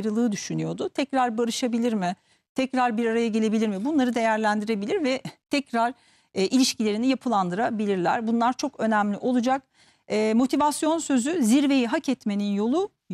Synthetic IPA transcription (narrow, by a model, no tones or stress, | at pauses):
ɾɯlˠɯːd̪yʃynyjo̞d̪ʊt̪ʰɛcɾaɾbaɾɯʃabilʲiɾmɪ | t̪ʰɛcɾaɾbiɾaɾajaɟe̞lʲe̞bilʲiɾmɪbunlˠaɾɯd̪e̞jæɾlʲænd̪iɾe̞bilʲiɾvɛt̪ʰɛcɾaɾ | ʔilʲiʃcilʲe̞ɾinijapʰɯlˠand̪ɯɾabilʲiɾlʲæ̰ɾbunlˠaɾt͡ʃʰo̞kø̞nɛmlʲiʔo̞lˠud͡ʒak | ɛːmo̞t̪ʰivasjo̞nsø̞zyziɾve̞jiɦacɛt̪me̞ninjo̞lˠu